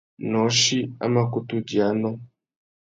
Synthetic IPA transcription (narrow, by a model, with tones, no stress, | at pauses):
nɔ˨˦ʃi˦a̰˦ma˦ku˦tu˦ɟa˨˦nɔ˦